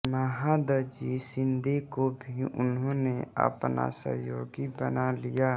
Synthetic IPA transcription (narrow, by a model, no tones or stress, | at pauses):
məɦad̪əd͡ʒisɪ̃nd̪ʱekobʱiʊnɦõneə̰pna̰sə̰ɦjoːɡibənalijaː